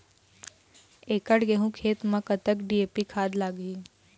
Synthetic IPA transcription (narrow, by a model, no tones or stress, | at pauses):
eːkəɽɡeɦũkʰeːt̪mɐ̃kət̪əkɖieːpikʰaːd̪laːɡiː